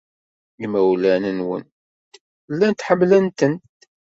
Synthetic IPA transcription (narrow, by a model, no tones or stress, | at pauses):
imæwlænənwə̰n | t̪ | lːænt̪ħəmːlænt̪ənt̪